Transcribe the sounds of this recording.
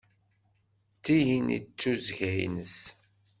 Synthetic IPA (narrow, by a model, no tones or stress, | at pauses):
t͡sːijinḭt͡sːuzʝæjnəs